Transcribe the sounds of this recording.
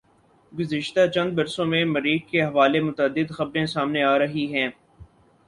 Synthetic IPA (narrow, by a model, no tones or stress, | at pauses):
ɡʊzɪʃt̪at͡ʃɐ̃nd̪bɐɾsõmẽmɐɾiːkkeɦɐʋaːlemʊt̪əd̪ːɪd̪xɐbɾẽsaːmneaːɾɐɦiɦɛ̃ː